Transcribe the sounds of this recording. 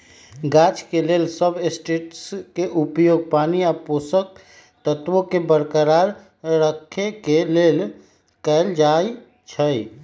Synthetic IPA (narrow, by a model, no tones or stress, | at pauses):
ɡat͡ʃkeleːlsəbʱesʈeʈskeʔupjoɡ̚paːniaposək̚ | t̪ət̪wõkebəɾkəɾaɾ | ɾəkʰːekeleːl | kəɪld͡ʒai | t͡ʃʰəj